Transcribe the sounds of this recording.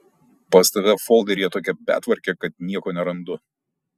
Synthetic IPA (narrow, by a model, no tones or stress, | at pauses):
pɐːsʲt̪ɐʋ̪ʲɛfɔːlˠd̪ʲɛɾʲiːjɛt̪oːkʲɛpʲæ̰ːt̪ʋɐɾʲkʲekɐt̪nʲiɛkoːnʲɛɾɐnd̪ʊ